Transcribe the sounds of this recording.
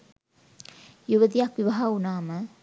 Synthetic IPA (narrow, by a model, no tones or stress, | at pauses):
juʋəd̪ijakʋiʋɐɦaunaːmə